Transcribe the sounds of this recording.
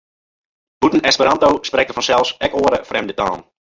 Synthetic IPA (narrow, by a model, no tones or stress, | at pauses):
butən̩ɛspəɾantowsprɛktəfɔnsɛlˠfsɛkoəɾəfrɛmdəta̰ːn